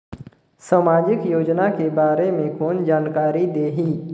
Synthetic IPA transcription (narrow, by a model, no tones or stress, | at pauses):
saːmaːd͡ʒɪkjoːd͡ʒnakebaːɾemẽkoːnd͡ʒaːnkaːɾid̪eːɦiː